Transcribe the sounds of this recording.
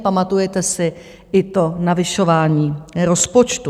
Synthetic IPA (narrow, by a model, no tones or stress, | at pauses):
pamat̪ujɛt̪ɛsɪ | ʔɪt̪o̞navɪʃo̞vaːɲiːɾo̞spo̞t͡ʃt̪u